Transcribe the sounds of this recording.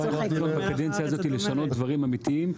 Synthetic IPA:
aʁanunotbakad̪ent͡sjaːzo̞t̪ileʃano̞t̪̚d̪vaʁimamit̪iim

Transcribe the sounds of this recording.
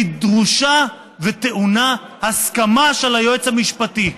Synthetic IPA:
d̪ʁuʃa | vet̪e̞ʔuna | haskamaʃelajoet͡shamiʃpat̪i

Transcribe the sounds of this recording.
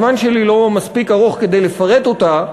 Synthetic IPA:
manʃe̞lilo̞maspikaʁoχke̞d̪e̞jle̞faʁe̞t̪o̞t̪a

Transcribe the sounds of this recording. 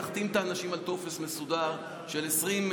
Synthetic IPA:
aχt̪imt̪aːnaʃimalt̪o̞fe̞sme̞sud̪aʁ | ʃe̞lesʁim

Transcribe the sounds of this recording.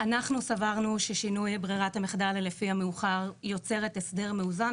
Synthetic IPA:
anaχnusavaʁnuʃeʃinujbʁiʁathameχd̪allefiameuχaʁjo̞t͡se̞ʁetesde̞ʁmeuza

